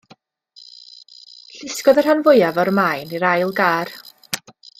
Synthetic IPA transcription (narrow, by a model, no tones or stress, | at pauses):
ɬɪskɔðər̥hanvʊjavɔɾmaːjniɾajlˠɡaːr